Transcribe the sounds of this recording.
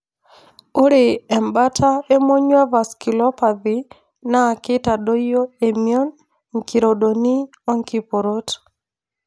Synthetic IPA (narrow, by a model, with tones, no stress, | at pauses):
o˦ɾe˨ɛ˨mba˦tʰa˦e˦mo˦ɲwa˦va˨ski˨lɔ˦pa˨ði˨ | na˦˨kɪ˦ta˨do˦jo˦e˨mijɔ˦n | ŋki˨ɾo˨do˨ni˦ | ɔ˦ŋki˦po˨ɾo˦t